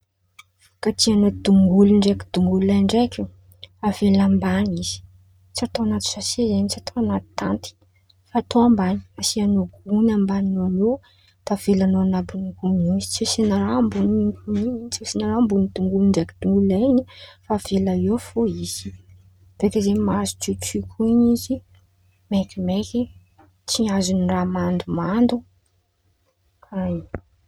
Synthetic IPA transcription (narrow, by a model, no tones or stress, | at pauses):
kat̪ianad̪uŋɡuluɳɖ͡ʐeki̥d̪uŋɡulajɳɖ͡ʐekʲu | avelambaniz̥i̥ | t͡sat̪oanat̪u̥sasezenit͡siat̪ʰoanat̪u̥t̪ant̪i̥ | faːt̪oambani̥asianoɡunambaninoano | t̪av̥elanoanabiniɡuniizi̥t͡sisinaɾambuniut͡sisinaɾambunit̪uŋɡunind͡ʒakid̪̥uŋɡulanifav̥elaefoizi̥ | v̥ekəzemazu̥t͡sit͡sikʰuɲizi | mekimeki | t͡siazuniramand̪umand̪u | kʰaj